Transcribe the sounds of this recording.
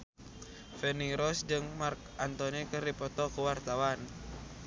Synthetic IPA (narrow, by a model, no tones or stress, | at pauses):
fɛniɾɔsd͡ʒɨŋmark̚ʔant̪ɔnikərdipɔt̪ɔkuwart̪awan